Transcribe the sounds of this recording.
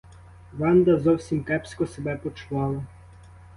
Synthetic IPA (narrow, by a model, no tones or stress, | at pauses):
ʋɑnd̪ɐzɔwsʲimkɛpskɔsebɛpɔt͡ʃʊʋɑlˠɐ